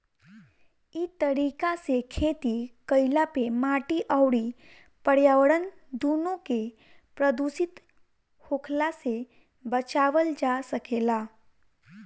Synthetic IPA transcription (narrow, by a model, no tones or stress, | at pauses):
it̪əɾiːkasekʰeːt̪ikəɪlapemaːʈiʔəwɽi | pəɽjaːʋəɽənd̪uːnõke | pɾəd̪usɪt̪ | hoːkʰlase | bət͡ʃaːʋəld͡ʒasəkeːlaː